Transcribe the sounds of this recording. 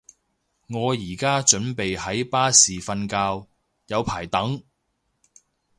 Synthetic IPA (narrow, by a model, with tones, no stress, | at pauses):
ŋɔː˨˧jiː˨˩kaː˥t͡ʃɵ˨˥npe˨jhɐ˨˥jpaː˥siː˨fɐ˧nkaː˧w | jɐ˨˧wpʰaː˨˩jt̪ɐ˨˥ŋ